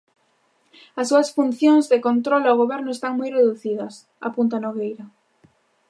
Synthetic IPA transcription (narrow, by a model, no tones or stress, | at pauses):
ɐsːuɐsfun̟θjõŋzðekont̪ɾɔlawɣoβɛɾnʊest̪aŋmujreðuθiðɐs | a̰punt̪anoɣejɾɐ